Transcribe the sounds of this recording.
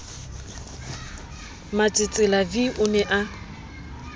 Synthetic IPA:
mat͡sʼɪt͡sʼɪlabiʔʊnɛʔa

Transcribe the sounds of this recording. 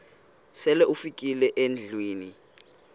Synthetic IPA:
sɛlɛʔufikʼilɛʔend͡ɮʱwiːni

